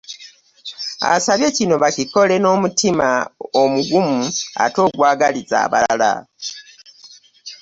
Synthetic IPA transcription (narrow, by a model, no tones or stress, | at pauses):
a̰saβje̞cino̞βaciko̞le̞no̞ːmutimaomuɡumua̰to̞ːɡwaːɡaliza̰ːβa̰ala̰